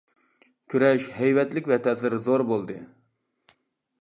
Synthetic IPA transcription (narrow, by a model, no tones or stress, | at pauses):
kʲʰyɾɛʃhɛjvɛt̪lɪkʲvɛt̪ʰɛzɨɾzoɾbolˠd̪ɨ